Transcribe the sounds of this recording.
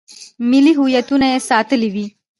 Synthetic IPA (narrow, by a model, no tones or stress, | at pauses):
miliɦujɐt̪unaesaːt̪əliʋi